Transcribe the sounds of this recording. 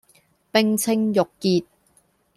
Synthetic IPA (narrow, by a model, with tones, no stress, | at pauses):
pɪ˧ŋt͡sʰɪ˧ŋjʊ˨kːiː˨t̚